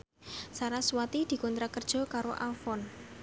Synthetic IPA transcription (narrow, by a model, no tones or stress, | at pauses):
saɾaswat̪id̪̥i̤kɔnt̪ɾakərd̥ʒ̥ɔ̤kaɾoʔafɔn